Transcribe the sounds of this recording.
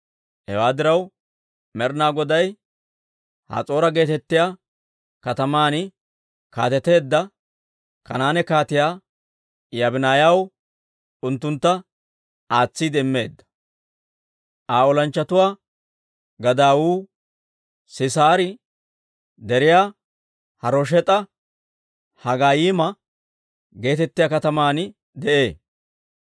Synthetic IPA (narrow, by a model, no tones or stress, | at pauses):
hɛ̰waːd̪ɪɾɐw | mɛɾnaːɡɔd̪ɐj | hɐ̰t͡sʼo̞ːɾɐɡe̞ːt̪ɛt̪ːɪjaː | kɐt̪ɐmaːnɪ | ka̰ːt̪ɛt̪e̞ːd̪ːɐ | kɐ̰naːnɛkaːt̪ɪjaː | jɐbɪnaːjɐw | ʊnt̪ːʊnt̪ːɐ | aːt͡sːiːd̪ɛmːe̞ːd̪ːɐ̥ | ʔaːɔlɐnt͡ʃːɐt̪ʊwaː | ɡɐd̪aːwuː | sɪsaːɾɪ | d̪ɛɾɪjaː | hɐɾɔʃ̬ɛt̪ʼɐ | hɐɡaːjiːmɐ | ɡe̞ːt̪ɛt̪ːɪjaːkɐt̪ɐmaːnɪ | d̪ɛʔe̞ː